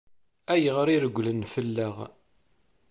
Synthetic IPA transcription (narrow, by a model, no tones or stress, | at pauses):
æjəʁɾiɾəɡʷːlənfəlːəʁ